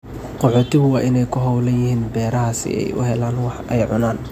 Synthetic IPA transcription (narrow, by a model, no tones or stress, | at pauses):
qɔħʊːt̪ʰɪɣʊwɑːʔɪnɛjkʰʊɦɔwlɐjɪɦiːnbɛːɾɐɦaːsɪ̰ʔɛ̰jʔʊ̰ɦɛlaːnwɑħɛjʕʊ̰naːn